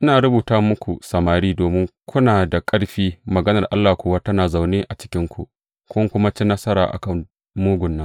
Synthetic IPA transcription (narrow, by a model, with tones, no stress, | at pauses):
ʔɪ˦naː˨ɾʊ˦buː˨taː˦mʊ˦kʷu˨sɐ˨maː˨ɾiː˦doː˨mɪ˦ŋkʷʊ˦naː˨da˨kʼɐ˦ɽɸiː˦mɐ˨ɡɐ˦nɐ˨rʔa˦lːaː˨kʷʊː˦wa˦tɐ˦naː˨za˨wneː˦ʔa˨t͡ʃɪ̥˦kʲɪ˦ŋkʷṵ˨ʔ | kʷʊ˦ŋkʷʊ˦ma˦t͡ʃɪ˦nɐ˦sɐ˦ɾa̰ː˨ʔa̰˨kɐ˦˨ŋ | muː˦ɡʷʊ˨nːɐ˦